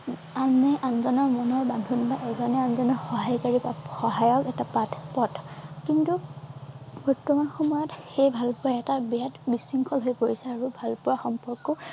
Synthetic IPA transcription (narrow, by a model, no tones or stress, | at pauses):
anɛʔanzɔnɔɹmɔnɔɹbandʱunbaʔɛzɔnɛanzɔnɔxɔɦajkaɹipaxɔɦajɔkɛtapatʰpɔtʰkintu | bɔɹtːɔmanxɔmɔjɔtxejbʱalpʊɹaɛtabɛjatbisiŋkʰɔlɦojpoɹisɛaɹubʱalpʊɹaxɔmpɔɹkːɔ